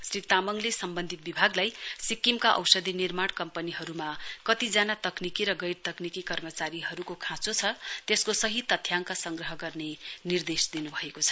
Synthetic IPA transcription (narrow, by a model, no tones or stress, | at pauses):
srit̪amʌŋlesʌmbʌnd̪ʱit̪̚bibʱaɡlajsikːimkaʔʌ̰wsʌd̪ʱinirmaɽkʌmpʌniɦʌɾumakʌt̪id͡zanat̪ʌknikiɾʌɡʌjɾt̪ʌknikikʌrmʌt͡saɾiɦʌɾukokʰãt͡sot͡sʰʌt̪eskosʌɦit̪ʌt̪ʰːjaŋkasʌŋɡrʌɦʌɡʌrnenird̪esd̪inubʱʌekot͡sʰʌ̥